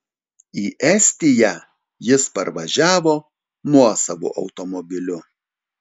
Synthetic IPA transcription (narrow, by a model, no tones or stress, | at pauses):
iːʔɛsʲt̪ʲɪjæ | jɪspɐɾʋɐʒʲæːʋoː | nuɔsɐʋo̰ːʔɐ̰ʊt̪ɔmɔbʲɪlʲʊ